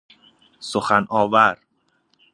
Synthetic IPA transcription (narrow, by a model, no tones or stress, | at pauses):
soxænʔɒːvæɾ